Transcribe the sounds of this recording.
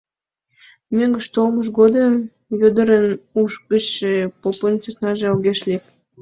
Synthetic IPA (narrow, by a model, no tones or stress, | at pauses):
møŋɡə̆ʃt̪olməʃ̬ɡod̪əm | jød̪əɾənuʃkəɕʃepopənt͡susnɑʒeoɣeʃlep̚